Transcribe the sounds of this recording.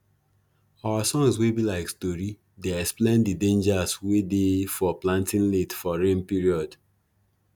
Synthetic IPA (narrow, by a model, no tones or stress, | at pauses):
awasɔ̃ŋswebilaɪkstɔɹi | deɛksplẽndidẽnd͡ʒaswedefɔplãntĩnletfɔɹẽnpiɹiɔd